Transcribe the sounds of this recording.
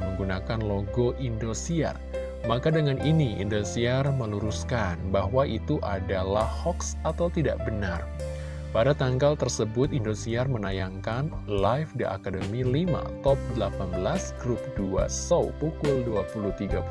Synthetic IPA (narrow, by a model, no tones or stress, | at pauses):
məŋɡunakanloɡoʔindosia̰r | makadəŋanʔiniḭndosiarməluɾuskanbaɦwaʔit̪uʔa̰dala̰hhɔksat̪awt̪ida̰ʔbənar | padat̪aŋɡalt̪ərsəbʊt̪indosiarmənajaŋkan | lajfdəʔa̰kadəmilima̰t̪ɔp̚dəlapanbəlasɡɾup̚dua̰sowpukʊlduapuluht̪iɡap